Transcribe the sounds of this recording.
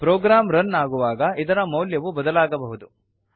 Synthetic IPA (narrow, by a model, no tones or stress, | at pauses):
pɾɔːɡɾaːmɾɐnːaːɡuʋaːɡɐʔid̪ɐɾɐmɐwljɐʋubɐd̪ɐlaːɡɐbɐɦud̪u